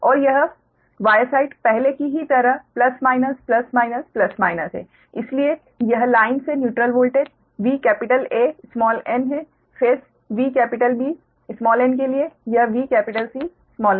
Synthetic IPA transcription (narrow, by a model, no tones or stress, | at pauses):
ɔːɾjɐɦ | ʋaːjəsaːɪʈpɛɦlekiɦit̪ɐɾəɦplɐsmaːɪnəsplɐsmaːɪnəsplɐsmaːɪnəsɦɛ̰ː | ɪslie | jɐɦlaːɪnsenjuːʈɾəlʋoːlʈeɖ | ʋiːkɛːpɪʈəleːsmɔːlɛnɦɛ | fʰeːs | ʋiːkɛːpɪʈəlbiː | smɔːlɛnk̬eliejɐɦʋiːkɛːpɪʈəlsiː | smɔːlɛn